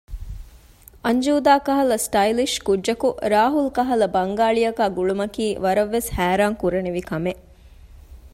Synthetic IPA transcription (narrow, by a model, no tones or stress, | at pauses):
ɐɲd͡ʒuːd̪aːkɐɦɐlɐsʈɐiliʃkudd͡ʒːɐkuɾaːɦulkɐɦɐlɐbɐŋɡaːɭijɐkaːɡuɭumɐkiːʋɐɾɐʋːeshæːɾaːŋkuɾɐneʋikɐmeʔ